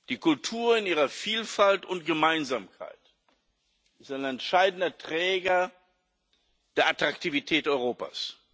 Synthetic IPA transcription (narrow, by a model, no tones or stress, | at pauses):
d̥iːkʰʊltʰuːɐɪnʔiːʁɐfiːlfaltʊnt̚ɡ̥əmaɪnzaːmkʰa̰ɪt | ʔɪstaɪnɛntʃaɪdn̩dɐtʁ̥ɛːɡɐ | d̥eːɐʔatʁ̥aktʰivitʰɛːtʔɔʏʁoːpa̰ːs